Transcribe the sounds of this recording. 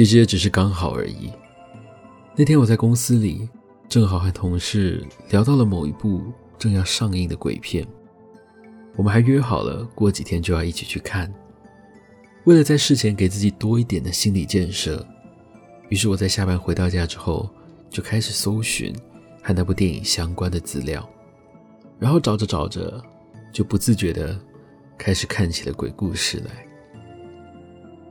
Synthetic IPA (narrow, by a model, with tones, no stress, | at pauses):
t͡ɕʰi˧˥ʂ̬ɻ̩˧˥jɛ˧˥ʈ͡ʂɻ̩˨˩ʂ̬ɻ̩˥˩˧kɑ˥ŋxɑ˨˩ʊə̰˞˧˥ḭ˧˥˦ | na˥˩t̪ʰjɛ˥nwɔ˨˩t͡sa˥˩ɪkʊ˥ŋsɹ̩˥lḭ˨˩ | ʈ͡ʂɤ˥˩ŋxɑ˨˩ʊxa˧˥nt̪ʰʊ˧˥ŋʂɻ̩˥˩ljɑ˧˥ʊt̪ɑ˥˩ʊlə˩mo˨˩ʊḭ˧˥pu˥˧ | ʈ͡ʂɤ˥˧ŋjɑ˥˧ʊʂɑ˥˧ŋi˥˩ŋd̪ə˩kwḛ˨˩ɪpʰjɛ̰˥˩n | wɔ˨mə˦nxa˧˥ɪɥɛ˥xɑ˨˩ʊlə̰˦kwɔ˥˩t͡ɕi˨˩t̪ʰjɛ˥nt͡ɕjo˥˧ʊjɑ˥˧i˥˩t͡ɕʰi̥˨˩t͡ɕʰy˥˧kʰa˥˩n | we˥˩ɪlə˩t͡sa˥˧ɪʂɻ̩˥˩t͡ɕʰjɛ˧˥nke˨˩ɪt͡sɹ̩˥˩t͡ɕi˨˩t̪wɔ˥i˥˩t̪jɛ˨˩nd̪ə˦ɕi˥nli˨˩t͡ɕjɛ˥˧nʂɤ̰˥˩ | y˧˥ʂɻ̩˥˩wɔ˨˩t͡sa˥˧ɪɕja˥˩pa˥nxwe˧˥ɪt̪ɑ˥˧ʊt͡ɕja˥˩ʈ͡ʂɻ̩˥xo˥˧ʊt͡ɕjo˥˧ʊkʰa˥ɪʂɻ̩˨˩so˥ʊɕy̰˧˥˦n | xa˥ɪna˥˧˩pu˧t̪jɛ˥˩nḭ˨˩ŋɕjɑ˥ŋkwa˥nd̪ə˨t͡sɹ̩˥ljɑ̰˥˩ʊ | ɻa˧˥nxo˥˩ʊʈ͡ʂɑ˨˩ʊʈ͡ʂə˦ʈ͡ʂɑ˨˩ʊʈ͡ʂə̰˦ | t͡ɕjo˥˩ʊpu˧˥t͡sɹ̩˥˩t͡ɕɥɛ˧˥d̪ə˧ | kʰa˥ɪʂɻ̩˨˩kʰa˥˩nt͡ɕʰi˨˩la̰˧˦˥kwḛ˨˩ɪku˥˧ʂɻ̩˥˩la̰˧˥ɪ